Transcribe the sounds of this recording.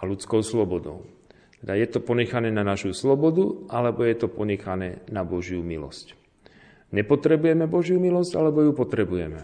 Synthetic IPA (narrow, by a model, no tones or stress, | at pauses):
alut͡skɔʊslɔbɔd̪ɔ̰ʊ | t̪ɛd̪ajɛt̪ɔpɔɲɛxanɛːnanaʃuslɔbɔd̪uʔalɛbɔjɛt̪ɔpɔɲɛxanɛːnabɔʒɪumilɔ̰sc | ɲɛpɔt̪ɾɛbujɛmɛbɔʒjumilɔsɟa̰lɛbɔjupɔt̪ɾɛbujɛmɛ